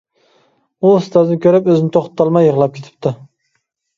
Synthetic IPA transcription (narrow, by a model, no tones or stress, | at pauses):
ust̪ʰɑzɪnɪkʲʰøɾɪpøzɪnɪt̪ʰoχt̪ʰːɑlˠmɑjːəʁlˠɑp̚kʲʰet̪ʰɪ̥p̚t̪ʰɪ